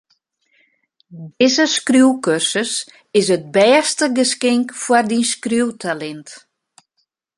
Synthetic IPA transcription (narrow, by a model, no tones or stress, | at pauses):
dɪzəskruwkørsəs | ɪs̬ət̚bɛːstəɡəskɪŋkfwardinskruwtʰalɛnt